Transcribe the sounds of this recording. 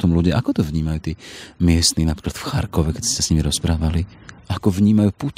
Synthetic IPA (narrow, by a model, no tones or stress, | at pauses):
t̪ɔmluɟiʔakɔt̪ɔvɲiːmajuːt̪iːmɪɛst̪niːnapɾi̥ːklat̪fxa̰ɾkɔʋɛkɛsɛsasɲimiɾɔspɾaːʋaliʔakɔvɲiːmajuːput̪